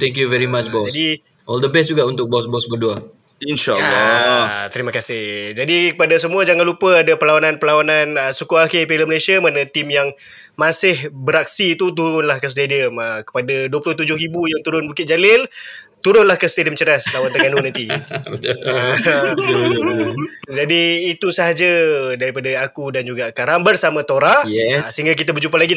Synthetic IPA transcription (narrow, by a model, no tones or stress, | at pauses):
t̪ɛ̃ŋkjuvɛɾimat͡ʃbɔsdi | ʔɔld̪əbɛs̬d͡ʒuɡaʔunt̪ʊk̚bɔsbɔsbədua | inʃaa | t̪əɾiməkasɪhd͡ʒadikəpadasəmũad͡ʒaŋanlupəadapəlaanãnpəlawananəsukuakɪpeləməlesiamanat̪imjaŋ | masɪhbəɾak̚siːt̪ut̪̬uɾʊnlahkəs̬t̪ediəməkə̥padaduəpulʊht̪ud͡ʒʊɦibujaŋt̪uɾʊnbukɪt̪̚d͡ʒalɪl | t̪uɾʊnlahkəst̪ediəmt͡ʃəɾaslawant̪əŋanunant̪i | d͡ʒadiːt̪usəɦad͡ʒədaɾipadaakudand͡ʒuɡakaɾaŋbərsamãt̪oɾasəɦiŋɡak̬it̪abərd͡ʒump̬alaɡi